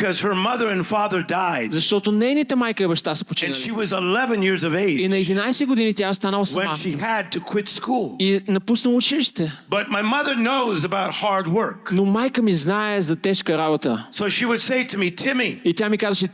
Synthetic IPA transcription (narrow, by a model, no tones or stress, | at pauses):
kʰʌz̥hə˞mʌðə˞ɨ̃nfɑðə˞daɪdzɐʃt̪ɔt̪ʊnɛjnit̪əmajkəibɐʃt̪asɛ̥pot͡ʃĩnʃiwʌzɪlɛvɨ̃njɪɹzʌveɪind͡ʒ̪ɐɛd̪inajsɛɡʊd̪init̪ʲjaʊst̪anəlˠɐsɐwɛ̃maʃiɨd̚tʰɨkʰw̥ɪtskulˠinɐpusnəlˠut͡ʃiliʃt̪ɛb̥ʌt̚maɪmʌðə˞noʊzəbaʊt̚hɑɹd̚wɜ˞knomajkəmiznaɛzɐt̪ɛʃkəɾabot̪əsoʊʃiwɨdseɪɾɨmitʰɪ̃miit̪ʲjamikazəʃɛ